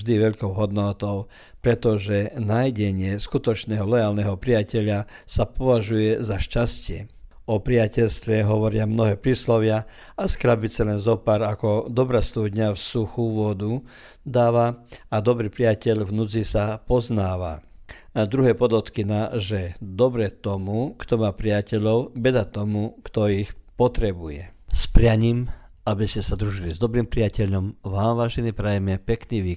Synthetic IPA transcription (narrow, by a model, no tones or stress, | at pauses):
ʒd̪iʋɛʎkɔʊɦɔd̪nɔt̪ɔʊ | pɾɛt̪ɔʒɛnajɟɛɲɪɛskut̪ɔt͡ʃnɛːɦɔlɛjaːlnɛɦɔpɾijacɛʎasapɔʋaʒujɛzaʃcascɪɛ | ɔpɾiacɛʎst̪ʋɛɦɔʋɔɾɪamnɔɦɛːpɾiːslɔʋɪa | ʔaskɾabit͡sɛlɛnzɔpaːɾakɔd̪ɔbɾast̪ud̪ɲafsuxuʋʊɔd̪u | d̪aːʋaad̪ɔbɾiːpɾiacɛʎvnut͡sisapɔznaːʋa̰ | d̪ɾuɦɛpɔd̪ɔt̪kinaʒɛd̪ɔbɾɛt̪ɔmukt̪ɔmaːpɾiacɛʎɔʊbɛd̪at̪ɔmukt̪ɔixpɔt̪ɾɛbujɛ̰spɾɪaɲim | abiscɛsad̪ɾuʒilizd̪ɔbɾiːmpɾiacɛʎɔmʋaːmʋaːʒɛnipɾajɛmɛpɛkniʋiː